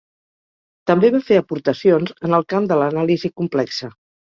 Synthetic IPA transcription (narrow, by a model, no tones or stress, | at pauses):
t̪əmbeβafeəpuɾt̪əsionzənəlˠkamd̪ələnalizikumplɛksə